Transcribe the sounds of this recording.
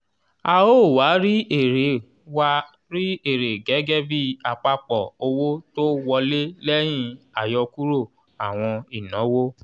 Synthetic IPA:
a˧o˦˨wa˨˦ɾi˦e˦˨ɾe˨ | wa˧ | ɾi˦e˦˨ɾe˨ɡɛ˨˦ɡɛ˦bi˦a˨k͡pa˧k͡pɔ˨o˧wo˦to˦wɔ˧le˦lɛ˦j̃ĩ˦˧a˨jɔ˧ku˦ɾo˦˨ | a˨w̃ɔ̃˧i˨nɔ̃˨˦wo˦

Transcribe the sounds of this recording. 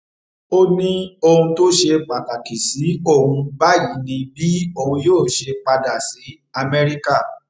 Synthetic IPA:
o˦nĩ˦o˧hũ˧to˦ʃe˧k͡pa˨ka˨ki˨si˨˦o˦˨hũ˧ba˦ji˨˦nĩ˧bi˦o˧˨hũ˧joː˦˨ʃe˧k͡pa˧da˨si˨˦ | a˧mɛ˧ɾi˦ka˦˨

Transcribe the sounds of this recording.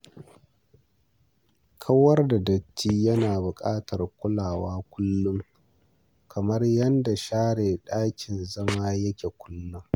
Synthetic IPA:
kʰɐ˦wɐ˦rda˨dɐ˨t͡ʃːiː˦jɐ˦naː˨bʊ˨kʼaː˦tʰɐ˨rkʷʊ˦laː˨waː˦kʷʊ˦lːʊ˦ŋ | kʰɐ˨mɐ˦rjɐ˦nda˨ʃaː˦ɽeː˨ɗaː˦kʲɪ˨nzɐ˦maː˦jɐ˦kʲe˨kʷʰʊ̥˦lːʊ˦ŋ

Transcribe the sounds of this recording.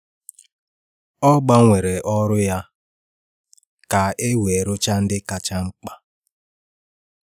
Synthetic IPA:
ɔ˦ɡ͡ba˦ŋʷe˨ɾe˨ʔɔ˦ɾʊ˦ja˦ | ka˨e˦we˨ɾʊ˦t͡ʃa˦n̩˦dɪ˦ka˦t͡ʃa˦ŋ͡m̩˦k͡pa˦

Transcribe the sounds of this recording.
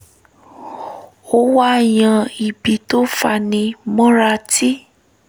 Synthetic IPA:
o˧˦wa˦˨j̃ã˧i˨bi˨˦to˦fa˧nĩ˧mɔ̃˦ɾa˧ti˦

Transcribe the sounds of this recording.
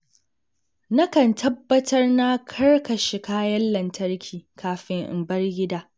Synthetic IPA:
nɐ˦kɐ˨ntʰɐ˦bːɐ˦tʰɐ˦rna˦kʰɐ˦rkʰɐ˨ʃɪ˨kaː˦jɐ˦lːɐ˨ntʰɐ˦rkʲʰiː˨kʰaː˨ɸɪ˦ŋʔɪ̰˨mbɐ˦rɡʲɪ˦daː˦

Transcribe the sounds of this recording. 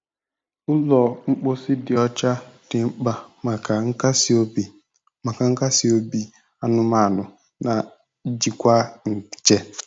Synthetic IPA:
ʊ˦lɔ˨ŋ͡m̩˦k͡po˦sɪ˦dɪ˨ɔ˦t͡ʃa˦d̥ɪ˨ŋ͡m̩˦k͡pa˦ma˨ka˨ŋ̩˦ka˦si˦o˦bi˨ | ma˨ka˨ŋ̩˦ka˦si˦o˦bi˦˨ | a˦nʊ˦ma˨nʊ˨ | na˨˦ | d͡ʒi˨kʷa˦ŋ̩˨t͡ʃɛ˦

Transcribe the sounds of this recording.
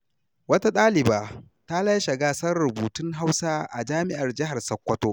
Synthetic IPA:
wɐ˦ta˦ɗaː˦lɪ˨baː˨ | ta˦lɐ˦jʃɐ˨ɡaː˦sɐ˦rɽʊ˨buː˨tʊ˦ŋɦa˦wsaː˦ʔa̰˨d͡ʒaː˦mɪ˦ʔa˨rd͡ʒɪ˦ɦa˨rsɐ˨˦kʷːɐ˦toː˦

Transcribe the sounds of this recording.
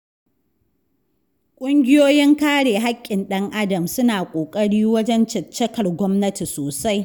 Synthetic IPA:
kʷʼʊ˦ŋɡʲɪ˦joː˦jɪ˦ŋkaː˦ɽeː˨ɦa˦kʲʼːɪ˨nɗɐ˦ŋʔa˦dɐ˨msʊ˦naː˨kʷʼoː˨kʼɐ˦ɽiː˦wɐ˦d͡ʒɛ˦nt͡ʃɐ˨t͡ʃːɐ˦kɐ˨rɡʷɔ˦mnɐ˦ti˨soː˨sa˦j

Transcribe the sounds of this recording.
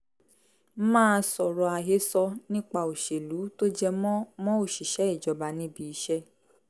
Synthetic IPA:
mãː˦˧sɔ˨ɾɔ˨a˨ɦe˨˦sɔ˧nĩ˦k͡pa˧˨o˨ʃe˨lu˨˦to˦d͡ʒɛ˧m˦mɔ̃˦o˦˨ʃi˨ʃɛ˨˦i˦˨d͡ʒɔ˨˦ba˨˦nĩ˦bi˧i˧˦ʃɛ˦

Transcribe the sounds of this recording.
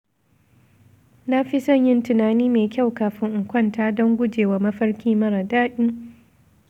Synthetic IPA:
na˦ɸi˦sɐ˦˨ɲjɪ˦ntʊ˨naː˨niː˦meː˨kʲa˦˨wkaː˨ɸɪ˦ŋʔʊ˨ŋkʷɐ˦˨ntaː˦dɔ˦ŋɡʷʊ˦d͡ʒeː˨waː˨˦mɐ˦ɸɐ˦ɽkʲiː˦mɐ˦ɾa˨daː˦ɗi˦

